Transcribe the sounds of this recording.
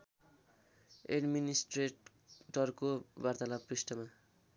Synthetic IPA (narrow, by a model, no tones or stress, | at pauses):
ḛɖminisʈreʈ | ʈʌrkobart̪alaprisʈʌma